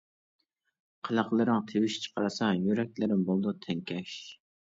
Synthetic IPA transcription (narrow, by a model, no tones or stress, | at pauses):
qʰəlˠɑqlˠɨɾɪŋt̪ʰewɪʃt͡ʃʰə̥qʰɑɾɨsɑjyɾɛk̚ʲlɪɾɪmbolˠd̪ut̪ʰɛŋkʲʰɛʃ